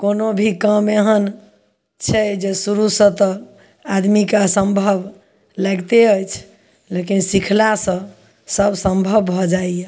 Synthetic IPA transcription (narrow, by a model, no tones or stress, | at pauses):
konobʱikəmeɦən | t͡ʃʰɛd͡ʒesuɾusə̃t̪ɔ | ad̪mikasəmbʱəb | laɡt̪eəjt͡ʃʰ | lekinsikʰlasə̃ | səbsəmbʱəbbʱɔd͡ʒaije